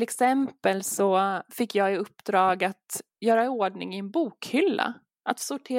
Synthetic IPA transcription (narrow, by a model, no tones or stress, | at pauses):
lɛksɛmpəlsɔfɪkːjɑːɡɪɵpːd̪ɾɑːɡat̪ | jœːɾaoːɖɳɪ̰ŋɪɛnbuːkhʏlːa̰ | ʔat̪sʊʈʰeː